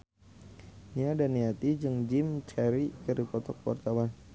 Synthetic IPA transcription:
niadaniat̪id͡ʒɨŋd͡ʒimt͡ʃɛɾikəɾipɔt̪ɔk̚wa̰rt̪awan

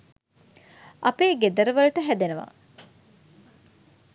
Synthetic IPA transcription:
ɐpeːɡed̪ɐɾəʋɐluʈəɦæd̪enuʋa̰

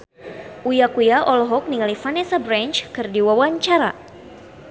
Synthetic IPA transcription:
ʔujakujaʔɔlɦɔk̚niŋalifanɛsabɾant͡ʃkɨrdiwawaɲt͡ʃaɾa

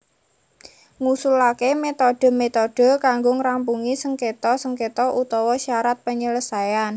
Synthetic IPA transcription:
ŋusulakemet̪ɔɖ̥ə̤met̪ɔɖ̥ə̤kaŋɡoŋɾampuŋisəŋket̪ɔsəŋket̪ɔʔut̪ɔwɔʃaɾat̪̚pəɲələsajan

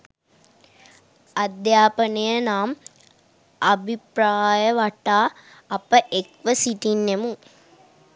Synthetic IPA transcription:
ɐd̪jaːpənəjənaːm | ɐbʱipɾaːjəʋaʈaː | pəʔekʋəsiʈinːemu

